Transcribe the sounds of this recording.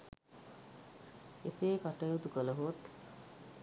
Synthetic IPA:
eseːkaʈəjut̪ukələɦot̪

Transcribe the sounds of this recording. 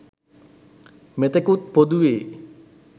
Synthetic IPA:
met̪əkut̪̚pod̪uʋeː

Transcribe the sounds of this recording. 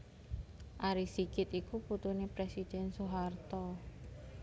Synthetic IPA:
ʔaɾisikɪt̪ikuput̪unepɾɛsid̪̥ɛnsoɦart̪ɔ

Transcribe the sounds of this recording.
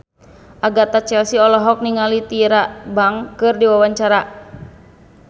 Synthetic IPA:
ʔaɡat̪at͡ʃɛlsiɔlɔɦɔk̚niŋalit̪iɾabaŋkɨrdiwawaɲt͡ʃaɾa

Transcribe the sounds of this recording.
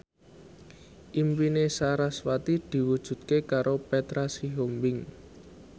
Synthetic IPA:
ʔimpinesaɾaswat̪id̪̥i̤wud̥ʒ̥ṳt̪̚kekaɾopet̪ɾasiɦombɪŋ

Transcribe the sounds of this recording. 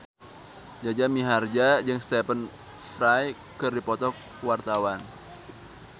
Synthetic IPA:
d͡ʒad͡ʒamiɦard͡ʒad͡ʒɨŋst̪ɛpən | fɾaj | kɨrdipɔt̪ɔk̚ | wart̪awan

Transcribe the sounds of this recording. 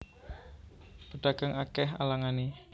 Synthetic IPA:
pəɖ̥aɡ̥aŋakɛɦa̰laŋani

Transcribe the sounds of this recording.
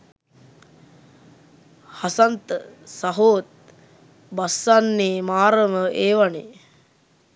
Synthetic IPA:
hasant̪əsaɦoːt̪̚ | basːanːeːmaːɾəməʔeːʋanḛ

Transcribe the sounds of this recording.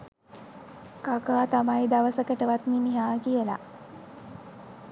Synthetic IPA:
kakaːt̪amajd̪aʋəsəkəʈəʋat̪miniɦaːkijəla̰

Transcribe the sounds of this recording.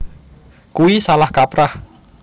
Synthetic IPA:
kuisalahkapɾah

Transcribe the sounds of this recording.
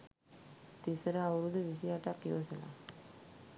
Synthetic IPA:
t̪isəɾəaʋuɾud̪əʋis̬iaʈakjosəla̰

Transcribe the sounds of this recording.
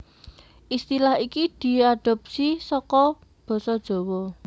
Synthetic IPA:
ʔist̪ilaɦikid̪̥i̤aɖ̥ɔ̤p̚sisɔkɔ | b̥ɔ̤sɔd̥ʒ̥ɔ̤wɔ

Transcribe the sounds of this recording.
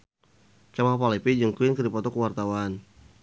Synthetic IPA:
kamapalipid͡ʒəŋkuɪnkədipɔt̪ɔkəwart̪awan

